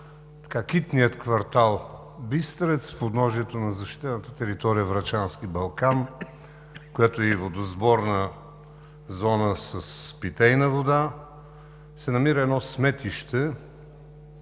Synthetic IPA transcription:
t̪ɐ̥kakit̪nijət̪kvɐɾt̪alˠ | bist̪ɾɛt̪sfpod̪nɔʒiɛt̪onɐzɐʃt̪i̥t̪ɛnət̪ət̪ɛɾit̪ɔɾijəvɾɐt͡ʃanskibɐlˠkan | kojat̪oɛivod̪ozbɔɾnə | zɔnəsɐspit̪ɛjnəvod̪a | sɛnɐmiɾəɛd̪nɔsmɛt̪iʃt̪ɛ

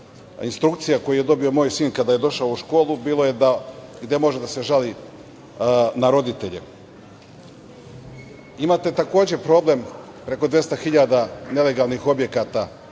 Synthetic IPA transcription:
inst̪ɾukt̪sijako̞juje̞d̪o̞bio̞mo̞ːjsiːnkad̪aːjed̪o̞ʃaouʃko̞ːlˠubiːlo̞je̞d̪aɡd̪e̞mo̞ʒed̪ase̞ʒali | naɾo̞d̪it̪eʎḛ | imaːt̪e̞t̪ako̞ːd͡ʑe̞pɾo̞ːble̞m | pɾe̞ko̞d̪ʋje̞st̪axiʎad̪ane̞le̞ɡalˠnixo̞bje̞kat̪a

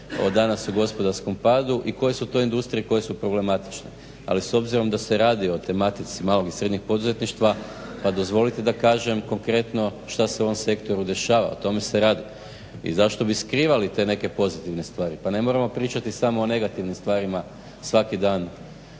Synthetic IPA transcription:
o̞̰d̪anasuɡo̞spo̞d̪aɾsko̞mpad̪uʔiko̞je̞sut̪o̞ind̪ust̪ɾijeko̞je̞supɾo̞ble̞mat̪i̥t͡ʃne | a̰liso̞bziɾo̞md̪ase̞ɾaːd̪io̞t̪e̞mat̪it̪simaːlo̞ɡisɾe̞d̪ɲixpo̞d̪uze̞t̪niʃt̪ʋa | pad̪o̞zʋo̞lit̪id̪akaːʒe̞mko̞ŋkɾe̞t̪no̞ʃt̪aseuoomse̞kt̪o̞ɾud̪e̞ʃaːʋa̰ot̪o̞me̞seɾaːd̪i | ḭzaʃt̪o̞biskɾiːʋalit̪e̞ne̞ke̞po̞zit̪iʋne̞st̪ʋaːɾipane̞mo̞ɾamo̞pɾiːt͡ʃat̪isamo̞ːne̞ɡat̪iʋnimst̪ʋaːɾima | sʋakid̪aːn

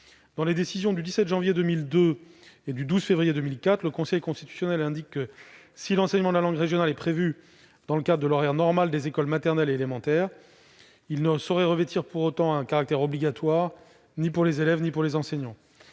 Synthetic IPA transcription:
d̪ɑ̃led̪esizjɔ̃d̪yd̪isɛt̪ʒɑ̃vjed̪ømild̪øed̪yd̪uzfevʁijed̪ømilkat̪χləkɔ̃sɛjkɔ̃st̪it̪y̥sjɔnɛlɛ̃d̪ikːə | silɑ̃sɛɲmɑ̃d̪əlalɑ̃ɡʁeʒjɔnalɛpχevy | d̪̥ɑ̃ləkad̪ʁəd̪əlɔʁɛʁnɔʁmald̪ezekɔlmat̪ɛʁnɛleːlemɑ̃t̪ɛːʁ | ilnəsɔʁɛʁəvet̪ʰiʁpuʁot̪ɑ̃ɛ̃kaʁak̚t̪ɛʁɔbliɡʲat̪waʁ | nipuʁlezelɛvnipuʁlezɑ̃sɛɲɑ̃

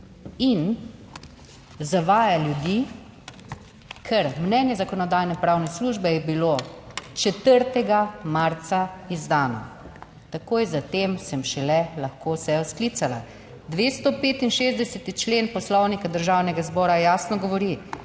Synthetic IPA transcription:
in | zaʋaːjaljud̪iː | kʰɛɾmnɛnjɛzakɔnɔd̪aːjnɛpɾawnɛsluːʒbɛjɛbilot͡ʃɛt̪əɾt̪ɛɡamaɾt̪saizd̪aːnɔ̰ | t̪akoːjzat̪eːmsɛmʃɛlɛlaxkosɛɔskliːt̪sala̰ | d̪ʋeːst̪ɔpeːt̪inʃeːzd̪ɛsɛt̪it͡ʃleːnpɔslɔwnikad̪əɾʒaːwnɛɡazbɔːɾajaːsnɔɡɔʋɔɾi

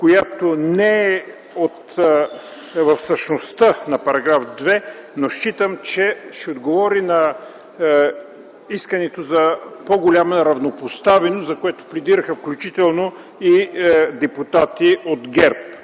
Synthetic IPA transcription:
kojat̪onɛɛ | ot̪ | vɐfsəʃnost̪ənɐpɐɾɐɡɾafd̪vɛnoʃt͡ʃit̪əmt͡ʃɛʃɛod̪ɡovɔɾinɐ | iskɐnɛt̪ozɐpoɡolʲamɐɾɐvnopost̪avɛnoszɐkoɛt̪o̥plɛd̪iɾɐxɐfklʲut͡ʃit̪ɛlˠno | id̪ɛput̪at̪iod̪ɡɛɾp̚

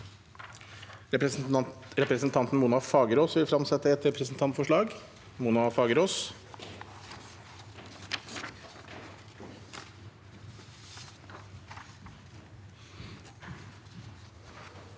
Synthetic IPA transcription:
ɾɛpɾəsn̩t̪ʰɑnt̪n̩muːnɑfɑːɡəɾoːsʋɪlfɾɑmsɛt̪ːəɛt̪ɾɛpɾəsn̩t̪ʰɑnt̪fɔʂɭɑːɡ | muːnɑfɑːɡəɾoːs

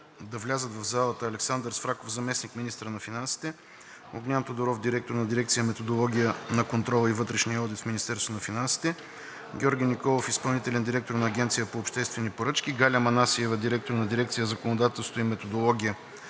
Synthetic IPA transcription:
d̪ɐvlʲazət̪vɐvzalˠət̪əːlɛksand̪əɾsfɾakofzɐmɛsnikminist̪ɾənɐfinansi̥t̪ɛ | oɡnʲant̪od̪oɾɔfd̪iɾɛk̚t̪oɾnɐd̪iɾɛkt̪sijəmɛt̪od̪olˠɔɡʲijənɐkont̪ɾɔlˠəivɤt̪ɾɛʃnijəɔd̪it̪fminist̪ɛɾst̪onɐfinansi̥t̪ɛ | ɡʲɔɾɡʲinikɔlˠofispɐlˠnit̪ɛlɛnd̪iɾɛk̚t̪oɾnɐːɡʲɛnt̪sijəpoːpʃt̪ɛst̪vɛnipoɾɤt͡ʃkʲiɡalʲəmɐnasiɛvəd̪iɾɛk̚t̪oɾnɐd̪iɾɛk̚t̪sijəzəkonod̪at̪ɛlˠst̪oimɛt̪od̪olˠɔɡʲijə

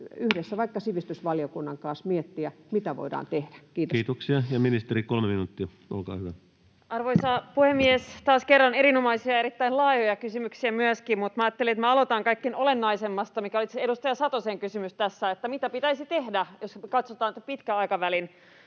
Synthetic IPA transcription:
yhdesːæʋɑikːɑsiʋist̪ysʋɑliokunːɑŋkɑːsmiet̪ːiæmit̪æʋo̰idɑ̰ːnt̪ehd̥æ̥kiːt̪oiːt̪oksiɑjɑminist̪erikolmeminut̪ːiɑ | ʔo̰lkɑ̰ːhyʋæ | ʔɑrʋoisɑːpuhemːiest̪ɑːskerːɑnerinomɑisiɑeɾit̪ːæinlɑːjojɑkysymyksiæmyøskimmut̪mɑːt̪ːeliet̪mæɑlot̪ɑŋkɑikːenolenːɑisemːɑst̪ɑmikæolit̪seeɾust̪ɑjɑsɑt̪oseŋkysymyst̪æsːæet̪ːæmit̪æpit̪æisit̪ehdæjoskɑt̪sot̪ɑːnt̪pit̪kæɑikɑʋælin

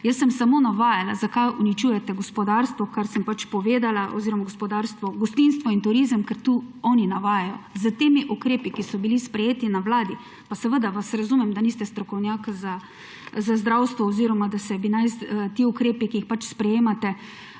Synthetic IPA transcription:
jəsːəmsamonaʋaːjalazakajunit͡ʃuːjɛt̪ɛɡɔspɔd̪aɾst̪ʋɔkaɾsəmpat͡ʃpɔʋeːd̪alaʔɔ̰ziːɾɔmaɡospɔd̪aɾst̪ʋɔɡɔst̪ins̬t̪ʋɔint̪uɾiːzəmkɛɾt̪uɔninaʋajajɔzət̪eːmiʔukɾeːpikisɔbilispɾɛjeːt̪inaʋlaːd̪i | pasɛʋəd̪aʋasɾazumɛmd̪aniːst̪ɛst̪ɾɔkɔwnjakza | zazd̪ɾawst̪ʋɔːziːɾɔmad̪asɛbinajst̪iːukɾeːpikiːxpat͡ʃspɾɛjeːmat̪ɛ

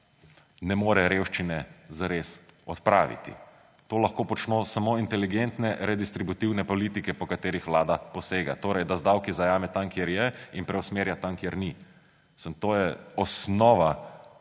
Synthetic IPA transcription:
nɛmoːɾɛɾewʃt͡ʃinɛzaɾesɔt̪pɾa̰ːʋḭt̪ḭ | t̪oːlaxkoːpɔt͡ʃnoːsamoːint̪ɛliɡent̪nɛɾɛd̪ist̪ɾibut̪iwnɛpɔliːt̪ikɛpɔkat̪eːɾixʋlaːd̪apɔseːɡa̰t̪oːɾɛjd̪azd̪awkizajaːmɛt̪amkjeɾjɛinpɾɛʊsmeːɾjat̪amkjeɾni | sənt̪oːjɛɔsnɔːʋa

